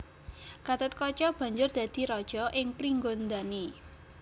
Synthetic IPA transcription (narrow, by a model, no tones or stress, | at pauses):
ɡ̥at̪ət̪̚kɔt͡ʃɔb̥a̤ɲd͡ʒʊrd̪̥ä̤d̪̥i̤ɾɔd̥ʒ̥ɔʔɪŋpɾiŋɡond̪ani